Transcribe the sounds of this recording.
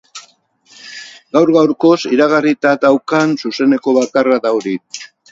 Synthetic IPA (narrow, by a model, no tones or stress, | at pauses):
ɡawɾɣawɾko̞siɾaɣarit̪ad̪awkansuse̞ne̞ko̞βakaraðawɾi